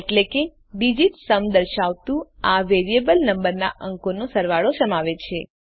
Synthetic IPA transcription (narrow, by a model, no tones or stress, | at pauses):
eʈleke | bid͡ʒit̪səmd̪əɾʃaʋt̪ũaʋeɾiebəlnəmbəɾna̰ʔəŋkonosəɾʋaɭosəmaʋet͡ʃʰe